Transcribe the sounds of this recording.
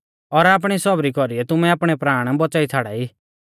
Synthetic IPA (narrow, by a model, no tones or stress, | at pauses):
ɔɾaːp̬ɽ̃isɔbɾikɔɾiɛt̪ʊmɛaːpɽ̃ɛpɾaːɽ̃bɔt͡ʃaːit͡sʰaːɽaːiː